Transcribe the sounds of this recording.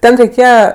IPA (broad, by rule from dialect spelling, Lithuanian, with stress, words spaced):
ˈtʲɛn rʲɛɪˈkʲeːjɛ